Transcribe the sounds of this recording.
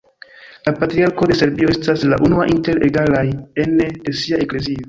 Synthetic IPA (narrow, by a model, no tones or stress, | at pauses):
lapatɾiaɾko̞de̞se̞ɾbio̞e̞staslaʔunuaʔinte̞ɾeɡalaje̞ndesiae̞kle̞zio